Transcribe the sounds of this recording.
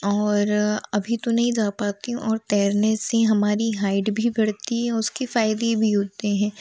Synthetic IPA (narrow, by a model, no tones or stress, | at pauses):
ɔːɾɐbʱit̪onɐɦĩd͡ʒaːpaːt̪iɦũʔɔːɾt̪ɛːɾneseɦɐmaːɾiɦaːɪɖbʱibʱɐɽ̤t̪iɦɛ̃ɔʊskifaːɪd̪ebʱiɦoːt̪eɦɛ̃ː